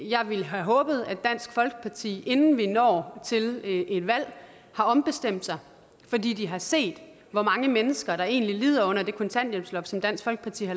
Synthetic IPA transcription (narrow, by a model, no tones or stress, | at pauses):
jɑ̈ɪʋiləɦæɦɔ̽ːb̥ð̞̩ˠæd̥æn̰sɡ̥fɒ̽lɡ̥ə̥pʰɑ̈t͡sʰḭːe̝nn̩ʋinɒ̰ːt͡sʰe̝le̝d̥ʋæl̰ | hɑ̈ɒ̽mb̥e̝sd̥em̰d̥sɑ̈ɪ | fɒ̽dḭːd̥iɦɑ̈se̝̰ːd̥ | ʋɒmɑ̈ŋəmenəsɡ̥ɐɾ̥ɑ̈e̝̰ːnliliːð̰ˠɐɔ̽n̰ɐd̥e̝kʰo̽nt͡sʰæn̰d̥jem̥slɒ̽b̥sɒ̽md̥æn̰sɡ̥fɒ̽lɡ̥əpʰɑ̈t͡sʰḭːhɑ